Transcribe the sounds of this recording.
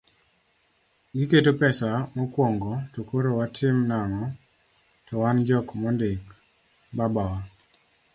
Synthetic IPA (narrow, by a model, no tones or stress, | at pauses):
ɡɪketopɛsamɔkwɔŋɡɔtokoɾowatʰɪmnaŋɔ | tɔwand͡ʒɔkmɔndɪk | babawa